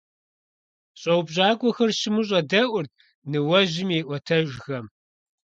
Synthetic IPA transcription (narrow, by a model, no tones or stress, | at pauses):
ɕʼɐwbʑaːɡʷɔxɐrɕɪmɨɕ̬ʼɐdɐʔʷʊrt̚ | nɨwɐʑɪmeːʔʷɔtʰɐʒxɐm